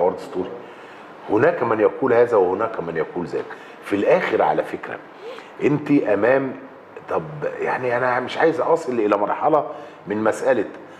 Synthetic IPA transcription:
wɑɾˤd̪ost̪ˤuːɾi | honæːkæmænjækuːlhæːzæwehonæːkæmænjækuːlzæ̰ːt̪ | filʔæːxeɾʕa̰læfekɾæ̰ | ʔent̪iʔæmæːm | t̪ˤɑbjaʕniʔænæmeʃʕaːjezʔɑsˤɨlʔelæmɑɾˤħɑlɑ | mɪnmæsʔæl

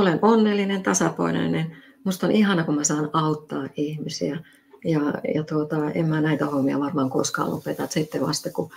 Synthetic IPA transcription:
olenʔonːelːinent̪ɑsɑpɑ̰inɑ̰inen | must̪onʔihɑnɑkumæsɑːnɑut̪ːɑːʔihmisiæ | jɑjɑt̪uot̪ɑḛmmæːnæit̪æhomːiɑ̰ʋɑrmɑːŋko̰skɑ̰lo̰pet̪ɑt̪sit̪ːeʋɑ̰st̪ɑku

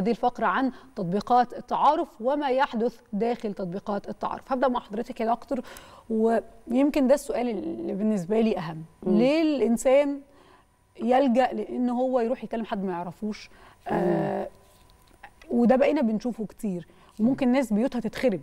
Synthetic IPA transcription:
æːd̪ilfɑqɾˤɑʕant̪ɑt̪ˤbiːqɑːt̪et̪ˤːɑʕɑːɾefwemæjeħd̪oθd̪æːxelt̪ɑt̪̚ˤbiːqɑːt̪et̪ːɑʕɑ̰ːɾḛfhæb̚d̪æʔmaʕħɑd̪ˤɾet̪ækelʔɑkt̪ɑɾˤwejemkend̪æsːoʔæːlebenːes̬bæliːʔæɦæmːlelʔensæːn | jælɡæʔleʔenːɦowːæjeɾuːħjet̪̚kælːemħad̪ːmæjeʕɾˤɑfuːʃ | ʔæ | wed̪æbæʔeːnæbenʃuːfoke̥t̪iːɾ | wemomkenenːæːs̬bejuːt̪hæt̪et̪xeɾeb

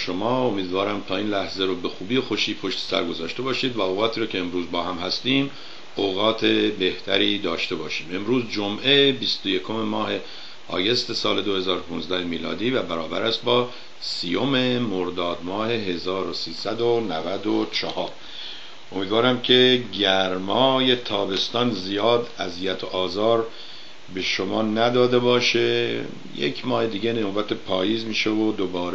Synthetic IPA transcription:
ʃo̞mɒːo̞miːd̪vɒːɾæmt̪ʰɒːiːnlæhzeɾobe̞xuːbiːexo̞ʃiːpʰo̞ʃt̪ʰe̥sæ̰ɾɡo̞zɒːʃt̪e̞bɒːʃiːd̪væoːɣɒːt̪ʰiːɾɔːcʰe̞ːmɾuːzbɒːɦæmhæst̪iːm | oɣɒːt̪ʰe̞be̞ht̪ʰæ̰ɾiːd̪ɒːʃt̪e̞bɒːʃiːme̞mɾuːzd͡ʒomʔebist̪oje̞kʰo̞me̞mɒːhe̞ | ɒ̰ːje̞st̪e̞sɒːle̞d̪o̞he̞zɒːɾopʰunzd̪æhemiːlɒ̰ːd̪iːvæbæɾɒːbæ̰ɾæst̪̚bɒː | siːjo̞me̞moɾd̪ɒːd̪mɒːhe̞ɦezɒːɾosiːsæd̪onævæd̪ot͡ʃʰɒhɒːɾ | omiːd̪vɒːɾæmcʲʰe̞ɟæɾmɒːje̞t̪ʰɒːbe̞st̪ɒːnzijɒːd̪æzijæt̪ʰoʔɒːzɒːɾ | be̞ʃomɒːnæd̪ɒːd̪e̞bɒːʃe | jḛkʰmɒːhed̪iːɟenobæt̪ʰepʰɒːjiːzmiːʃevod̪obɒːɾ

